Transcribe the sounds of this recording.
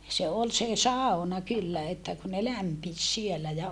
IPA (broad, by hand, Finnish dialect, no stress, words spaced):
se ol se sɑˑonɑ kylːæ etːæ ku ne læmpis sielæ jɑ